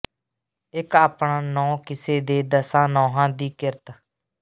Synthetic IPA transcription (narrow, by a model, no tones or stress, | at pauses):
ɪkaːpɳaːnɔ̃ːkɪseːd̪eːd̪əsãːnɔ̃ːɦãːd̪iːkɪɾət̪